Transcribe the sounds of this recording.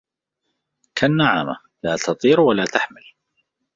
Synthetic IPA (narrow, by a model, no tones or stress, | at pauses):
kʰanːaʕa̰ma | laːt̪ʰɑt̪ˤiːɾwalaːt̪aħmɪl